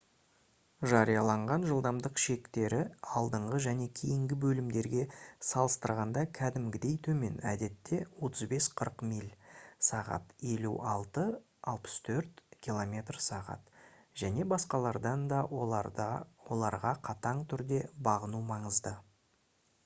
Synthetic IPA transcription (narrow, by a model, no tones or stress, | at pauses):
ʒɑɾijɑlˠɑɴʁɑnʒəlˠd̪ɑmd̪əqʃe̞kt̪e̞ɾɪɑlˠd̪əɴʁəʒæne̞kʲʰejɪŋɡʲɪbɵlɪmd̪e̞ɾɡʲe̞sɑlˠəst̪əɾʁɑnd̪ɑkʲʰæd̪ɪmɡʲɪd̪e̞jt̪ʰɵme̞̰næ̰d̪e̞t̪ːe̞wo̞t̪əzbe̞sqʰəɾqmilʲsɑʁɑ̰t̪e̞luʔɑlˠt̪ə | ɑlˠpə̥st̪ʰɵɾt̪kʲilˠo̞mʲe̞t̪rsɑʁɑ̰t̪ | ʒ̥æne̞bɑsqɑlˠɑɾd̪ɑnd̪ɑ | wo̞lˠɑɾʁɑqʰɑt̪ɑɴt̪ʰʏɾd̪e̞bɑʁənumɑɴəzd̪ə